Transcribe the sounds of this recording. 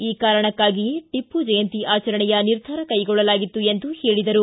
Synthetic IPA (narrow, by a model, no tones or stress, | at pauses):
iːkaːɾɐɳɐkːaːɡiʈipːud͡ʒɐjɐnt̪iʔaːt͡ʃɐɾɐɳɛjɐniɾd̪ʱaːɾɐkɐjɡɔɭːɐlaːɡit̪ːue̞nd̪uheːɭid̪ɐɾu